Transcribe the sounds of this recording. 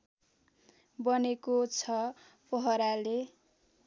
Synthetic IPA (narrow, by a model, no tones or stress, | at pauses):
bʌnekot͡sʰʌ | pʌɦʌɾale